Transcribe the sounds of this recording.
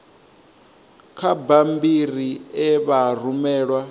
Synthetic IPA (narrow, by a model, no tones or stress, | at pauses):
kʰabambiriɛβarumɛːɺwa